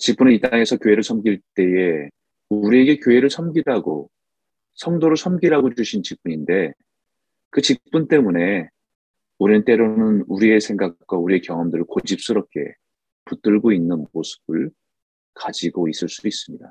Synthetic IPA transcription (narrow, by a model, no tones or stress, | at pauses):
t͡ɕip̚p͈uneit͈aaŋe̞sʰʌkjoɦe̞ɾɯɭsʰʌmɡiɭt͈e̞je̞ | uɾie̞ɡe̞kjoɦe̞ɾɯɭsʰʌmɡiɾaɡo | sʰʌŋdoɾoɭsʰʌmɡiɾaɡod͡ʑuɕʰint͡ɕip̚p͈uɲinde̞ | kɯt͡ɕip͈̚unt͈e̞mune̞ | uɾint͈e̞ɾonɯnuɾie̞sʰe̞ŋɡak̚k͈wauɾie̞kjʌŋɦʌmdɯɾɯɭkod͡ʑip̚s͈ɯɾʌp̚k͈ʰe̞̰ | put͈ɯɭɡoinːɯnosʰɯ̥b̥ɯɭ | kad͡ʑiɡois͈ɯɭs͈u̥is͈ɯmɲida